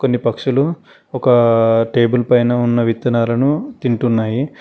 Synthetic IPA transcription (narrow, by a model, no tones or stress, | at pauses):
ko̞nːipɐkʂulu | ɔkɐʈe̞ːbulpɐjnɐunːɐʋit̪ːɐnaːlɐnut̪iɳʈunːaːji